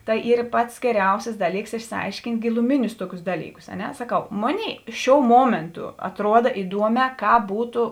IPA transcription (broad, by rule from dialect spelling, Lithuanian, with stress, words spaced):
ˈtɐɪ ˈiːr ˈpɐts ɡʲɛˈrʲɛʊsʲɪs ˈdɑːˌlʲiːks ɪʃʲsʲɪˈɐɪʃʲkʲɪnʲtʲ ɡʲɪlˠʊˈmʲɪnʲʊs ˈtuɔkʲʊs ˈdɑːlʲiːˌkʊs ɐ ˈnʲɛ sɐˈkɐʊ ˈmoːˌnʲeːɪ ˈʃʲoːʊ ˈmuɔmʲeːntʊ ɐtˈruɔdɐ ɪˈduɔmʲɛː ˈkɑːp ˈbuːtʊ